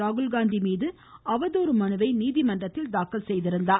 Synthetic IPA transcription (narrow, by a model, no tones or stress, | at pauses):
aːɣɯlɡaːnd̪imiːðɯ | ɐʋɐðoːɾɯmɐnɯʋɐɪniːðimɐnɖrɐt̪ːɪld̪aːkːɐlsɛjðɪɾɯnd̪aː